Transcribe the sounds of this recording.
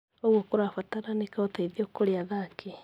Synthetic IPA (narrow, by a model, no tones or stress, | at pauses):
oɣwokoɾafataɾanekaotaiðiokoɾeaðakʰe